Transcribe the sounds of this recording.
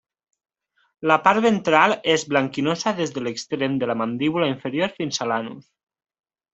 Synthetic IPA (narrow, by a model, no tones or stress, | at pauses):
lapaɾβent̪ɾalˠezβlaŋkinosaðezðəlekst̪ɾemd̪əlamand̪iβulaiɱfeɾjoɾfinzalanṵs